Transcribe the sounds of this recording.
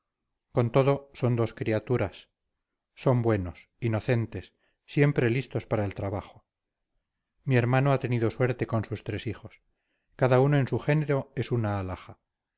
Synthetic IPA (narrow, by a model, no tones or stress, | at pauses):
ko̞nt̪o̞ðoso̞nd̪o̞skɾiat̪uɾasː | o̞mbwe̞no̞s | ino̞θe̞nt̪e̞sː | je̞mpɾe̞list̪o̞spaɾaelt̪ɾaβaχo̥ | mie̞ɾmanoat̪e̞niðo̞swe̞ɾt̪e̞ko̞nsust̪ɾe̞sixo̞s | kaðaunoẽ̞nsuxe̞ne̞ɾo̞e̞sunaːlaxa